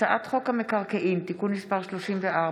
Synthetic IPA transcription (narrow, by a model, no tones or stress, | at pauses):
aʔat̪χo̞kamekaʁkeʔimt̪ikunːispaʁʃloʃimveʔa